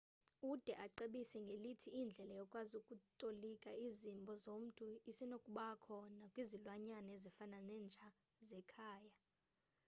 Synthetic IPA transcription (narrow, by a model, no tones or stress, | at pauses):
ud̥ʱɛʔaǀeɓisɛŋɡʱelitʰiːnd͡ɮʱɛlajɔkʼwazukʼutʼolikʼaizimbʱɔzom̩tʼuisinokʼuɓakʰɔnakʼwizilwaɲanezifananɛːnt͡ʃʼa | zɛkʰaːja